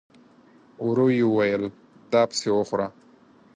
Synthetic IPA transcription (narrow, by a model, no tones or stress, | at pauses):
ʊɾojiuwajəl | d̪ɑːpə̥sewoxɾa